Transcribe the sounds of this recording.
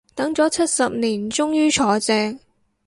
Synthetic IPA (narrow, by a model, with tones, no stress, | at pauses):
t̪ɐ˨˥ŋt͡sɔː˨˥t͡sʰɐ˥t̚sɐ˨p̚niː˨˩nt͡sʊ˥ŋjyː˥t͡ʃʰɔː˨˧t͡sɛː˧ŋ̚